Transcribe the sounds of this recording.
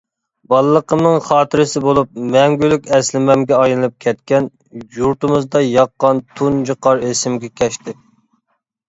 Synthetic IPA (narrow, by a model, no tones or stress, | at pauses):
bɑlˠɨlˠəqʰəmnɨŋχɑːt̪ʰɪɾɪsɪbolˠup̚mɛŋɡʲylykʲɛslɪmɛmɡʲɛɑjnɨlɨp̚kʲʰɛt̪kʲɛn | juɾt̪ɨmɨzd̪ɑjɑqːɑnt̪ʰund͡ʒɨqʰɑɾesɪmɡʲɛkʲʰɛʃt̪ɪ